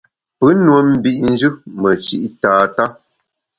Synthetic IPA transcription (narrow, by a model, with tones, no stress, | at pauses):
pə˨˦nwə˨m̩˦bi˦ʔn̩˦d͡ʒɨ˦mə˨t͡ʃḭ˦ʔtaː˨˦ta˦